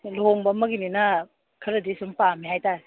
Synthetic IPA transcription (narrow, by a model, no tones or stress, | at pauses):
loŋbamɐɡinina | kʰɐɾɯdisumpamiɦajtaj